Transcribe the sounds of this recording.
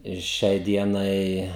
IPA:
ɪr ˈʃʲɛɪ ˈdʲiɛnɐɪ

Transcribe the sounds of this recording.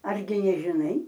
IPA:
ˈɐrʲɡʲɪ nʲɛʒʲɪˈnɐɪ

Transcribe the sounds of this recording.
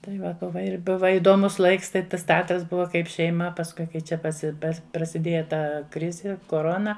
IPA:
tɐɪ ˈʋɐ ˈbʊʋɐ ɪr ˈbʊʋɐ ɪdoːˈmʊs ˈlˠɐɪks ˈtɐɪ ˈtɐs tʲɛˈɑːtrɐs ˈbʊʋɐ ˈkɐɪp ʃʲɛɪˈmɐ pɐsˈkʊɪ kɐɪ ˈt͡ʃʲɛ pɐˈsʲɪ ˈpɐs prɐsʲɪˈdʲeːjɛ ˈtɐ ˈkrʲɪzʲɪ koːˈroːnɐ

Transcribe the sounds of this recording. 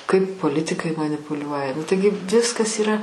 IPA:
kɐɪp poːˈlʲɪtʲɪkɐɪ mɐnʲɪpʊˈlʲuɔjɛ nʊ ˈtɐɪɡʲɪ ˈʋʲɪskɐs iːˈrɐ

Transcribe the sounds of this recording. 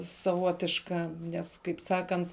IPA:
sɐˈʋoːtʲɪʃkɐ ˈnʲɛs kɐɪp ˈsɑːkɐnt

